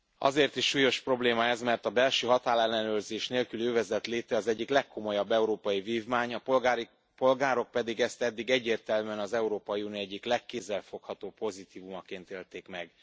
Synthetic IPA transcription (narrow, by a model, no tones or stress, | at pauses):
ɒ̰zeːrt̪iʃʃuːjo̞ʃpro̞bleːmɒɛzmɛrt̪ɒbɛlʃøːɦɒt̪aːlɛlːɛnøːrzeːʃneːlkyløːvɛzɛt̪leːt̪ɛɒzɛɟːiklɛkːo̞mo̞jɒbːɛuɾoːpɒjiviːvmaːɲɒpolɡaːɾi | po̞lɡaːɾo̞k̚pɛd̪iɡɛst̪ɛd̪ːiɡɛɟːeːrt̪ɛlmyɛnɒzɛuɾoːpɒjiuːnioɛɟːiklɛkːeːzːɛlfo̞khɒt̪oːpo̞zit̪iːvumɒkeːnt̪eːlt̪eːkmɛɡ